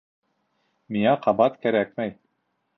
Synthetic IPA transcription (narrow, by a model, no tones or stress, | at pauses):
miŋæqɑbɑt̪kæɾæk̚mæj